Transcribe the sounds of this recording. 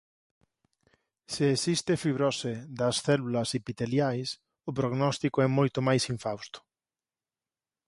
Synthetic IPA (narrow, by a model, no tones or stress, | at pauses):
seːsist̪ɪfiβɾɔsɪðɐsθɛlulɐsipit̪eljajs | ʊpɾoɣnɔst̪ikoʊɛmojt̪ʊmajsiɱfawst̪ʊ̥